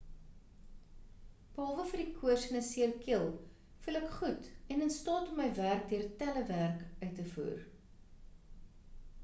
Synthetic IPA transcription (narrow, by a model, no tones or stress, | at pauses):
b̥əɦɑlˠvəfərdikʰuərsənəsiərkiəlˠ | fuləkχutɛnənstɑːtɔmːəjværk̚diərtæləværkœɥtəfṵːr